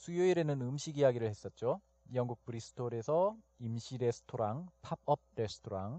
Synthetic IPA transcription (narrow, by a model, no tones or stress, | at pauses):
sʰujoiɾenɯnɯmɕʰiɡijaɡiɾɯɭhe̞s͈ʌt̚t͡ɕ͈o | jʌŋɡuk̚pɯɾisʰɯ̥tʰoɾe̞sʰʌ | imɕʰiɾe̞sʰɯ̥tʰoɾaŋpʰap̚ʰʌp̚ɾe̞sʰtʰoɾaŋ